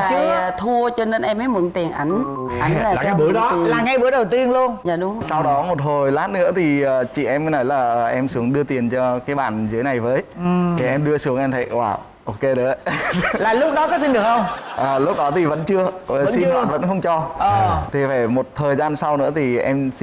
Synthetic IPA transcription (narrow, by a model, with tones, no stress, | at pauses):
a̰ː˧˨jt̪ʰu˧ət͡ɕɔ˧ne˧nʔɛ˧maː˨˦jmɨ˨˧˩ŋt̪i˨˩ənʔa˨˦jŋ̟ | ʔa˨˦ŋ˨aː˨˩˨ɓɨ˨˦ə˨˦laː˨˩ŋa˧jɓɨ˨˦əjɗə˨˩wt̪i˧ənlu˧ənzaː˧˨˩ɗʊ˨˦˨sa˧wɗɔ˨˦mo˨˩t̚ɦo˨˩jlaː˦˥t̚nɨ̰˧˥ət̪ʰi˨˩ʔəː˨˩t͡ɕḭ˧˨ʔɛ˧m˨˦nɔ˨˦jlaː˨˩ʔʔɛ˧msɨ˨˦əŋɗɨ˧ət̪i˨˩ənt͡ɕɔ˧kaː˨˦jɓa̰ː˧˨nztːna˨˩jvəː˨˦jt̪ʰi˨˩ʔɛ˧mɗɨ˧əsɨ˨˦əŋʔɛ˧mt̪ʰa̰˧˨kwaː˧˩ | ʔo˧ke˧ɗe˨˦laː˨˩lʊ˦˥k͡p̚ɗɔ˨˦kɔ˨˦s̬i˧nɗɨ˨˩ək̚xə˧wŋ͡mʔaː˨˩lʊ˦˥k͡p̚ɗɔ˨˦t̪ʰi˨˩və̰˧˥nt͡ɕɨ˧ə˨˩˥si˧na̰ː˧˨nvə̰˧˥nxə˧wŋ͡mt͡ɕɔ˧əː˩t̪ʰi˨˩faː˧˩jmo˨˩t̚t̪ʰəː˨˩jzaː˧nsa˧wnɨ̰˧˥ət̪ʰi˨˩ʔɛ˧msi˧